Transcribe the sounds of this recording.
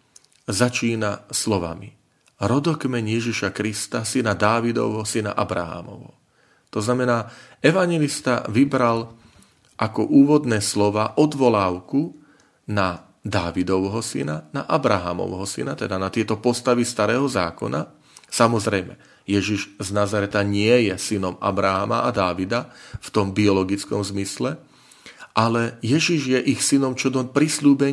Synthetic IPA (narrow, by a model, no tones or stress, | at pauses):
zat͡ʃiːnaslɔʋa̰mi | ɾɔd̪ɔkmɛɲjɛʒiʃakɾist̪asinad̪aːʋid̪ɔ̰ʊɦɔsina̰ʔabɾa̰ɦa̰ːmɔ̰ʋɦɔ̰ | t̪ɔznamɛnaːɛʋaɲjɛlist̪a̰ʋibɾal | ʔakɔʔuːʋɔd̪nɛːslɔʋaːʔɔd̪ʋɔlaːʊku | na | d̪aːʋid̪ɔʋɦɔsḭnanaʔabɾaɦa̰mɔ̰ʊɦɔsḭnat̪ɛd̪anat̪ɪɛt̪ɔpɔst̪aʋist̪aɾɛːɦɔza̰ːkɔ̰na | samɔzɾɛjmɛ | jɛʒiʒznazaɾɛt̪aɲɪɛjɛsinɔma̰bɾaɦamaʔad̪aːʋid̪aft̪ɔmbiɔlɔɡit͡skɔmzmislɛ | ʔalɛjɛʒiʒjɛʔixsinɔmt͡ʃɔd̪ɔpɾisluːbɛɲ